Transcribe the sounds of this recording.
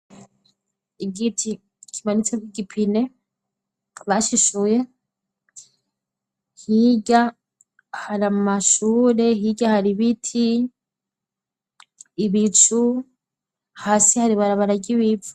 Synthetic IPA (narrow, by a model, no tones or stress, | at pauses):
iɡitʰi | kʰimanit͡semiɡipʰine̞ | βaʃiʃuje̞ | hiɟa | haɾamumaʃuːɾe̞hiɟahaɾiβitʰi | βit͡ʃu | haːsihaɾiβaɾaβaɾaɟiβivu̥